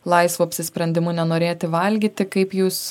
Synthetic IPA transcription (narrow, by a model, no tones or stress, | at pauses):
lˠɐɪsʋoːɐpʲsʲɪsʲpʲɾʲɛnʲd̪ʲɪmʊnʲɛnoːɾʲeːt̪ʲɪʋɐlʲɡʲiːt̪ʲɪkɐɪpjuːs